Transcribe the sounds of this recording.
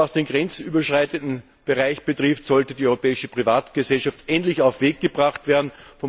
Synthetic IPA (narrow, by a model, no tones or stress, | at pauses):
asd̥eːmɡʁɛnt͡syːbɐʃʁ̥aɪtəntn̩ | b̥əʁaɪçb̥ətʁ̥ɪftz̥ɔltədiːɔʏʁopɛːɪʃəpʁ̥ivaːtɡ̥əzɛlʃaftʔɛntlɪçaʊfv̥eːɡɡ̥əbʁaχtv̥eːɐdn̩fɔ